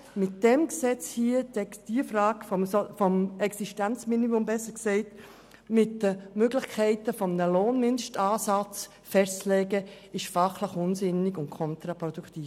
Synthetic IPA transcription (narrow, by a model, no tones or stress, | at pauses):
mɪt̚d̥ɛmksɛt͡shiədɛd̥iəfɾɑːɡfɔmfɔmɛksiʃtænt͡sminimʊmbɛsəksɛɪt | mɪtdəmøɡlɪχkʰɛɪtəfɔmnəloːnmɪnʃtɑːsɑt͡s | fɛst͡slɛːɡə | ɪʃfɑχləχʊnsɪnɪɡʊntkʰɔnt̪ɾapɾɔdukʰt̪iːf